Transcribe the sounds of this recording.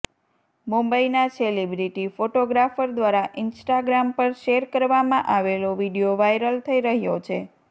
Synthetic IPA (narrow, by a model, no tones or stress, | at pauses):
mumbəinaselibɾiʈifoʈoɡɾafəɾd̪ʋaɾaʔɪnsʈaɡɾampəɾʃeɾkəɾʋamãʔaʋeloʋiɖijoʋajɾəlt̪ʰəiɾəɦjot͡ʃʰe